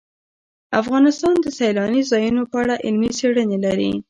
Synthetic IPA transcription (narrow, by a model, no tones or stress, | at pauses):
afɣɑnɪst̪ɑnd̪əsajlɑnizɑjunopəaɽaʔɪlmiseɽənelaɾḭ